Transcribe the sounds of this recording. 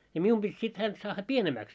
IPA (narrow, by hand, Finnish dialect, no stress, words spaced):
jɑ mium b̥it sit hænt sɑːhːɑ pienemæːks